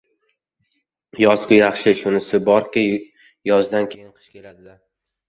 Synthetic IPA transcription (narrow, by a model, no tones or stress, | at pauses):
jɒsqʊjɑχʃɪʃʊnɪsɪbɒɾkʲa | jɒzd̪ankʲʰejɪnqʰɨ̥ʃkʲʰe̞lad̪ɪla